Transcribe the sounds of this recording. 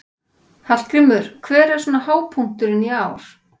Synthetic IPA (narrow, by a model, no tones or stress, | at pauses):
hal̥kɾɪmʏɾ̥kʰvɛːɾɛ̥sɔnahaːwpʰuŋ̥t̪ʏɾɪniaːwɾ̥